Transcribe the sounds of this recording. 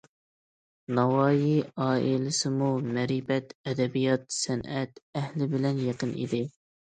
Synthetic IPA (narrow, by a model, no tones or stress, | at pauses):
nɑwɑːjiɑːilɪsɪmumɛɾibɛt̪ɛd̪ɛbijɑt̪sɛnɛt̪ɛhlɪbɪlɛnjeqənʔḭd̪ɪ